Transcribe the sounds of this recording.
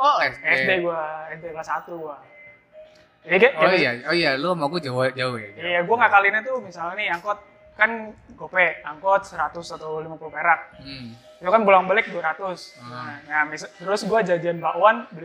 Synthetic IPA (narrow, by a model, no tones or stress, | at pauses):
ɔsɛsdeɡuaɛsdekasat̪uɡua | d͡ʒadikaajaoijalumakud͡ʒawad͡ʒauad͡ʒijaɡuaŋaʔkalinat̪umisalaniaŋkɔt̪̚ | kanɡopɛʔaŋkɔt̪̚səɾat̪ʊsat̪awlimapulpeɾat̚ | it̪ukanbulaŋbalɪk̚duaɾat̪ʊsŋamist̪əɾʊsɡuad͡ʒad͡ʒianbaʔuanbəɾi